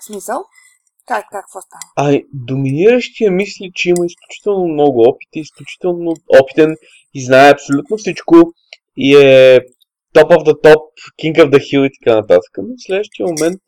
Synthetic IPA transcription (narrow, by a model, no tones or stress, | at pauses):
smisəlˠ | kaakaaɐd̪ominiɾəʃt̪iəmislit͡ʃɛiməisklʲut͡ʃi̥t̪ɛlˠnomnɔɡʊɔpi̥t̪iːsklʲut͡ʃi̥t̪ɛlˠnʊɔpi̥t̪ɛn | iznaɛɐpsolʲut̪nofsit͡ʃkʊ | iɛ | t̪ɔpovd̪ɐt̪ɔp | kʲiŋkəvd̪ɐxilˠit̪ɐ̥kanɐt̪at̪ə̥kənoslɛd̪əʃt̪iəmomɛnt̪̚